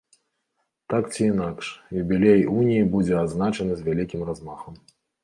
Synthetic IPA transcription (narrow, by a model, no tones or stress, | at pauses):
t̪akt͡sʲiːnakʂjubʲilʲejunʲijibud͡zʲɛad̪znat͡ʂɐnɨzʲvʲalʲikʲimrazmaxɐm